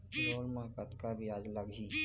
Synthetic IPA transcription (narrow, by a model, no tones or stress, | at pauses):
ɾoːlmakət̪kabʱiaːd͡ʒləɡi